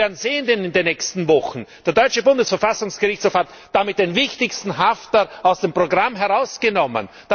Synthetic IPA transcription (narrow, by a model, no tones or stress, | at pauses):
ɛɐdn̩zeːəndenɪndenːɛçstn̩vɔxn̩d̥eːɐdɔʏt͡ʃəbʊndəsfɐfasʊŋsɡ̥əʁɪçt͡shoːfhat | d̥amɪt̚d̥envɪçtɪçstn̩ɦaftɐaʊsd̥empʁ̥oɡʁamɦɛʁaʊsɡ̥ənɔmə̰n | d̥a